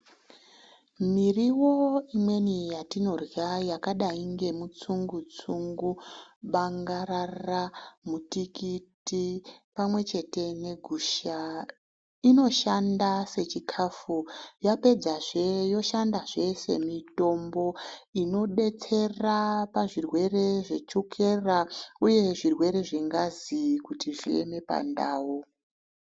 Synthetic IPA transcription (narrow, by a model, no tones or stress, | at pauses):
miriwo̞imwe̞nijatino̞rjajakaɗaiŋɡe̞mut͡suŋɡut͡suŋɡuɓaŋɡararamutikitipamwe̞t͡ʃe̞te̞ne̞ɡʱuːʃa | ino̞ʃandase̞t͡ʃikʰafujape̞d͡zaʐjo̞ʃandaʐe̞se̞̰mito̞mbo̞ino̞ɗe̞t͡se̞rapaʐirwe̞re̞ʐe̞t͡ʃukʰe̞rauje̞ʐirwe̞ɾe̞ʐiŋɡazikutiʐḭḛme̞pa̰ndaːwo